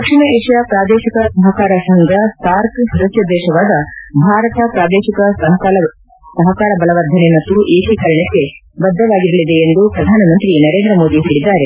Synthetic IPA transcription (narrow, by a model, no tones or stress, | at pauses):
ɐkʂiɳɐeːʂjɐpɾaːd̪eːʃikɐsɐɦɐkaːɾɐsɐŋɡʱɐsaːɾksɐd̪ɐsjɐd̪ɛːʃɐʋaːd̪ɐbʱaːɾɐt̪ɐpɾaːd̪eːʃikɐsɐɦɐkaːlɐ | sɐɦɐkaːɾɐbɐlɐʋɐɾd̪ʱɐnemɐt̪ːuʔeːkikɐɾɐɳɐkːe̞bɐd̪ʱːɐʋaːɡiɾɐlid̪e̞ːnd̪upɾɐd̪ʱaːnɐmɐnt̪ɾinɐɾeːnd̪ɾɐmo̞ːd̪iɦeːɭid̪ːaːɾe